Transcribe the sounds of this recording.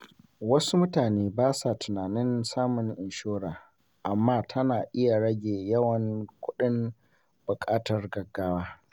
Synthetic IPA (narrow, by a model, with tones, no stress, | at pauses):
wɐ˦su˦mʊ˦taː˨neː˦baː˦sa˨tʊ˨naː˨nɪ˦nsaː˦mʊ˨ŋʔɪ˨nʃoː˦ɽaː˨ | ʔa˨mːaː˦tʰɐ˦naː˨ʔɪ˦ja˨ɽɐ˦ɡʲeː˨jɐ˦wɐ˨ŋkʷʊ˦ɗɪ˦m | b̥ʊ˨kʼaː˦tɐ˨rɡɐ˨ɡːaː˦waː˦